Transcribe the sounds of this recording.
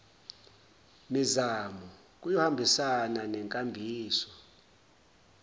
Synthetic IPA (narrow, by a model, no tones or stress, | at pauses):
mizamu | k̬ʼujɔhambʱisananɛŋkʼambʱiːsɔ̥